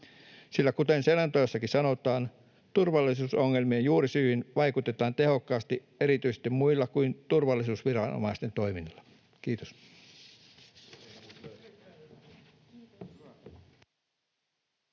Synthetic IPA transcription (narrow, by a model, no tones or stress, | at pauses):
silːækut̪enselɑnt̪ojɑsːɑkisɑnot̪ˑɑːn | t̪urʋɑlːˑisuːsoŋːelmiejjuːɾisyːhinʋɑikut̪et̪ɑːnt̪e̞ho̞kːɑːst̪i | eɾit̪yise̥st̪imuilːɑkuint̪urʋɑlːˑisuːsʋirɑno̰mɑist̪ent̪oiminːlːɑ | kiːt̪os